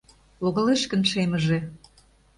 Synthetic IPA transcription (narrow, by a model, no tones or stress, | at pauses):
loɣə̆leʃkə̆nʃemə̆ʒĕ